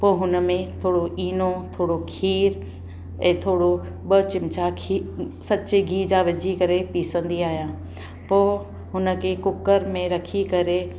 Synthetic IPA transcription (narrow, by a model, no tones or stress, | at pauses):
poːɦʊnə̆mẽt̪ʰoːɽoʔiːnot̪ʰoːɽokʰiːɾ | ɛ̃ːt̪ʰoːɽo | bət͡ɕɪmt͡ɕakʰisɐt͡ɕeɡiːd͡ʑaʋɪd͡ʑʱikɐɾepiːsə̃nd̪iaːɦijãː | poː | ɦʊnə̆kʰekʊkəɾmẽɾɐkʰikɐɾe